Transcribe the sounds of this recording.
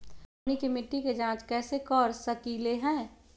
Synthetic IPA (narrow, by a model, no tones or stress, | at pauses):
nikemɪʈːiked͡ʒãːt͡ʃkɛːsekɔːɾsəkiːleɦɛ̃ː